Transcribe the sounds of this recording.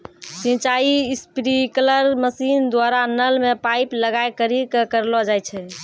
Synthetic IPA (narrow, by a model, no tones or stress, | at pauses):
sĩt͡ʃaispɾikələɾməsind̪waɾanəlmepajpləɡajkəɾikekəɾlɔd͡ʒajt͡ʃʰɛ